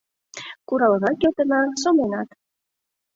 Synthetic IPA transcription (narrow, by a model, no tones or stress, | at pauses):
kuɾɑlˠɤnɑkʲet̪ɤ̆nɑsomenɑt̪